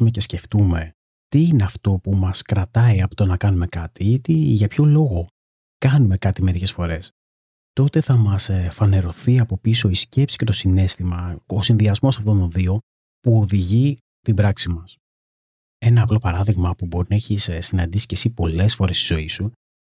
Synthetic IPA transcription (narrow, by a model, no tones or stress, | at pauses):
ume̞ce̞sce̞ft̪ume̞ | t̪iine̞ɐft̪o̞pumɐskɾɐt̪ɐiɐpot̪onɐkɐnume̞kɐt̪iit̪iʝɐpço̞lo̞ɣo̞ | kɐnume̞kɐt̪ime̞ɾice̞sfo̞ɾe̞s | t̪o̞t̪e̞θɐmɐsfɐne̞ɾo̞θiɐpo̞piso̞isce̞psi̥ce̞t̪o̞sine̞st̪imɐosinðiɐzmo̞sɐft̪o̞nt̪o̞nðio̞ | puo̞ðiʝi | t̪ibɾɐksimɐs | e̞nɐːplo̞pɐɾɐðiɣmɐpubo̞ɾinɐeçissinɐnd̪isi̥ce̞sipo̞le̞sfo̞ɾe̞st̪izo̞isu